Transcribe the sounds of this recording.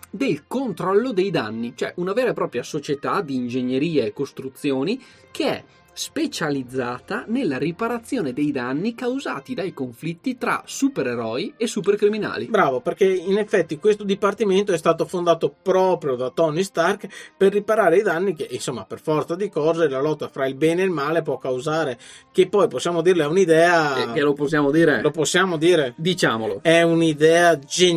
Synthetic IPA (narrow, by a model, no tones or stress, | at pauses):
d̪elkont̪ɾɔlːod̪ejd̪a̰nːit͡ʃoɛ̰ʔunaveːɾaepɾɔːpɾjasot͡ʃet̪ad̪iːnd͡ʒeɲːeɾiːaekːost̪ɾut̪sːjoːni | kʰeɛ̰ | spet͡ʃalid̪zːaːt̪anelːaripaɾat̪sːjoːned̪ejd̪anːikawza̰ːt̪id̪ajkoɱflit̪ːit̪ɾa̰supeɾeɾɔːjiesːuperkɾimina̰ːlibɾaːvoperkeinefːɛt̪ːikwest̪od̪ipart̪iment̪oɛst̪aːt̪ofond̪aːt̪opɾɔːpɾjod̪at̪ɔnist̪arkperːipaɾaːɾejd̪anːikeʔinsomːaperfɔrt̪sad̪ikɔːzelalɔt̪ːafɾailbɛːneilmaːlepwɔkːawzaːɾe | kepːɔjposːjaːmod̪iːrleɛunid̪ɛːaeloposːjaːmod̪iːɾeloposːjaːmod̪iːɾed̪it͡ʃaːmo̰lo̰ɛunid̪ɛːad͡ʒe